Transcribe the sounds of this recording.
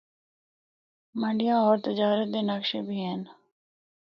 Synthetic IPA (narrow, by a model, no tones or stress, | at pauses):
mə̃ɳɖijãːɔːɾt̪ɪd͡ʒaːɾət̪̚d̪eːnəkʃebʱiːɦɛːn